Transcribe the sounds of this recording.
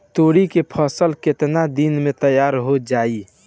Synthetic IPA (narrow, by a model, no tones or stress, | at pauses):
t̪oɽikepʰəsəlket̪nad̪inmet̪əjaɾɦod͡ʒai